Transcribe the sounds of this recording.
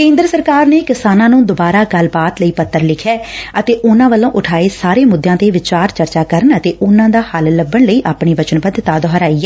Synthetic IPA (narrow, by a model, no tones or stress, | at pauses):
kẽːnd̪ɾəsəɾkaːɾneːkɪsaːnãːnũːd̪obaːɾaːɡəlbaːt̪ləiːpət̪ːəɾlɪkʰjɛːət̪eːʔʊnãːʋəlõːʔʊʈʰaːeːsaːɾeːmʊd̪jãːt̪eːʋɪt͡ʃaːɾt͡ʃəɾt͡ʃaːkəɾənət̪eːʔʊnãːd̪aːhəlləbːəɳləiːʔaːpɳiːʋət͡ʃənbəd̪t̪aːd̪ɔɦəɾaːiːɛː